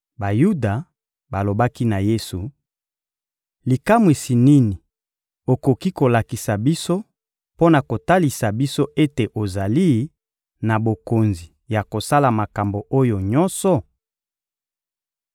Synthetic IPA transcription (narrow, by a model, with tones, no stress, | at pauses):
ba˨ju˦da˨ | ba˨lo˨ba˦ki˦na˨je˦su˨ | li˨ka˦mwi˨si˨ni˦ni˨ | o˨ko˨ki˦ko˨la˨ki˨sa˨bi˦so˦ | po˦na˨ko˨ta˦li˨sa˨bi˦so˦ʔe˦te˨ʔo˨za˨li˦ | na˨bo˨ko˨nzi˨ | ja˨ko˨sa˦la˨ma˨ka˨mbo˨ʔo˦jo˨ɲɔ˦nsɔ˨